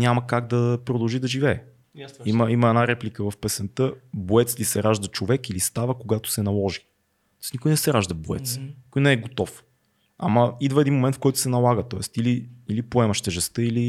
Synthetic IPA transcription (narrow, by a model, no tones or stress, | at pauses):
nʲaməkaɡd̪ɐpɾod̪ɐlˠʒid̪ɐʒivɛɛ | iməiməɛnaɾɛplikəvɐfpɛsɛnt̪əboɛt̪slisɛɾaʒd̪ət͡ʃovɛkilist̪avəkoɡat̪ʊ̥sɛnɐlˠɔʒi̥ | t̪ɔsnikʊjnɛsɛɾaʒd̪əboɛ̰t̪sni̥kʊjnɛɛɡot̪ɔf | a̰mɐid̪vəɛd̪inmomɛnt̪fkɔjt̪ʊ̥sɛnɐlˠaɡət̪ɔɛst̪iliilipoɛmɐʃt̪əʒɛst̪əili